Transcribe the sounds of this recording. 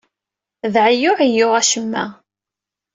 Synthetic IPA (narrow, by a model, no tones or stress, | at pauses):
ðʕəjʊʕijːʊʁæʃəmːæ̰